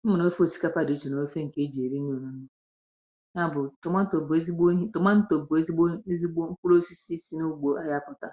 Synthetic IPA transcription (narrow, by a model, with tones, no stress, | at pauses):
m̩˦mʊ˨no˦e˦fo˦˨si̥˦ka˦pa˦de˨˦t͡ʃi˨no˨e˦fe˦ŋ̩˨ke˦d͡ʒi˨e˨ɾi˦ɲ˦o˨nu˦nʊ˦ | ɲ˦a˦˨bʊ˨tʊ˨ma˦to˨be˦zi˦ɡ͡bo˦ɦi˦tʊ˨ma˦n̩˦to˨bʊ˨e˦zi˦ɡ͡bo˦e˦zi˦ɡ͡bo˦ŋ̩˦k͡pu˦lo˦si˦si˦si˦no˦ɡ͡bo˨a˦ja˦pʊ˨ta˨